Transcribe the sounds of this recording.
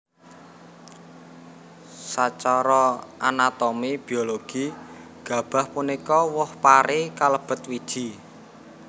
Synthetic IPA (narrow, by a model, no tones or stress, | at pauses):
sat͡ʃɔɾɔʔanat̪omib̥i̤oloɡ̥i | ɡ̥a̤b̥a̤hpunikɔwɔhpaɾekaləb̥ə̤t̪̚wid̥ʒ̥i